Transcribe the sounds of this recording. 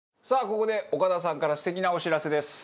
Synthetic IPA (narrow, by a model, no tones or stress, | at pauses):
saːko̞ko̞d̪e̞o̞kad̪as̬ãŋkaɾasɨ̥t̪e̞kʲinao̞ɕiɾase̞d̪e̞sɨ̥